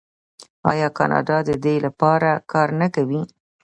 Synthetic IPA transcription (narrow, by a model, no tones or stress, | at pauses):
ɑjɑkɑ̰nʔɑ̰ɖɑd̪əd̪elapɑɾakʰɑɾnakawi